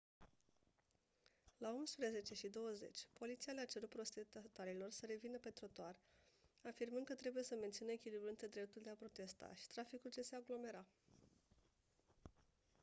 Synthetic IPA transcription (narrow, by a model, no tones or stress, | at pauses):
laumspɾəze̞t͡ʃe̞ʃid̪o̞wəze̞̰t͡ʃʲpo̞lit̪sialeat͡ʃe̞ɾut̪̚pɾo̞st̪et̪at̪oaɾilo̞rsəɾe̞vinəpe̞t̪ɾo̞t̪oarafirmɨnd̪̚kət̪ɾe̞buje̞səme̞nt̪sinəekʲilibɾuɨnt̪ed̪ɾe̞p̚t̪uld̪eapɾo̞t̪e̞st̪a̰ʃi̥t̪ɾafikuld͡ʒeseaɡlo̞me̞ɾa